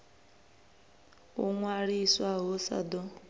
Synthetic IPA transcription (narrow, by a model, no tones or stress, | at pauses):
uŋwaɾiswaɦosa̰dɔ